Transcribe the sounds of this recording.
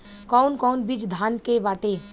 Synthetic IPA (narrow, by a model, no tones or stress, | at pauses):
kɔːnkɔːnbid͡ʒd̪ʱaːnkeʋaːt̪e